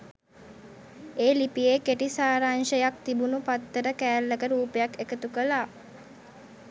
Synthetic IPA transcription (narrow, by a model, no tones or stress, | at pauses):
eːlipijekeʈisaːɾaːnʃəjak̚t̪ibunupat̪ːəɾəkæːlːəkəɾuːpejakekət̪ukəlaː